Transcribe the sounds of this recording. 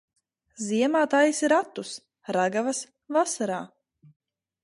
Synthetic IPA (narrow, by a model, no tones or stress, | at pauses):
ziɛmaːt̪ajisiɾat̪ːus | ɾaɡavas | vasaɾaː